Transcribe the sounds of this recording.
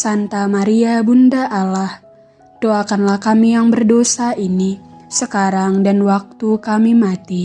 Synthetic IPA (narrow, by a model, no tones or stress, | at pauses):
sant̪amaɾiabundaʔalah | doakanlahkamijaŋbərdosainisəkaɾaŋdanwak̚t̪ukamimat̪i